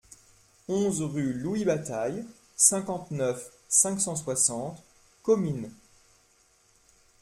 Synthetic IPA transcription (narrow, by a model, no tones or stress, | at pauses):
ɔ̃zʁyluibat̪aj | sɛ̃kɑ̃t̪nœf | sɛ̃ksɑ̃swasɑ̃t̪ | kɔmyn